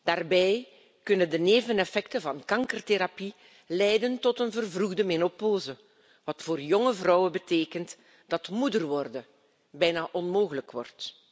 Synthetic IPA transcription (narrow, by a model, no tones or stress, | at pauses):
d̥aːrbɛj | kɵnəndəneːvənɛfɛktəvɑnkɑŋkərteɾapi | lɛjdəntɔtənvərvruɣdəmɪnopoːzə | ʋɑtfoːrjɔŋəvrɔwəbəteːkənt | d̥ɑtmudərʋɔrdə | bɛjnaːʔɔnmoːɣələkʋɔ̰rt